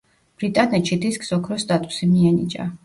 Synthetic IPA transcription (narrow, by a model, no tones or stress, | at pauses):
b̥ɾit̪ʼanɛt̪ʃid̪iskʼsɔkʰɾɔst̪ʼat̪ʼu̥simiɛnḭt͡ʃʼa̰